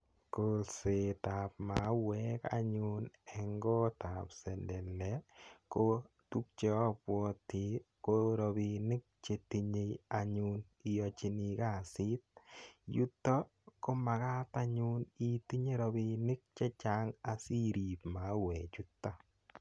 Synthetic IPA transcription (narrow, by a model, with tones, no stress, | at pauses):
kolsɪ˨ta˨p̚ma˨˦wɛ˦ka̰˦ɲʊnɛ˨ŋɡɔ˦ta˨psɛ˨ndɛ˨lːɛ˨˦ko˦ | tu˦k̚t͡ʃe˦pwɔ˧tɪ˨˦ | ko˦ɾɔ˨bi˧nɪ˦k̚t͡ʃe˨ti˧ɲe˦ja˨ɲu˦n | i˨jɔ˨t͡ʃi˨ni˨ka˦˨sɪ˦t̚ju˦tːɔ˦ | ko˦ma˨ka˦ta˦ɲu˦ni˦ti˦ɲe˦ɾɔ˧bi˧nɪ˦k̚t͡ʃe˦t͡ʃa˦ŋa˨si˦ɾi˨pma˨˦wɛ˨t͡ʃu˦tːa˦